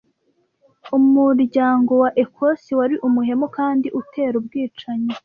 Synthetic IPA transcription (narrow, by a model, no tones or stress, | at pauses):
umuɾɟaːŋɡo̞waʔe̞kʰosiwaɾiʔumuhe̞mokaːndiʔute̞ːɾubɡiːt͡ʃaɲo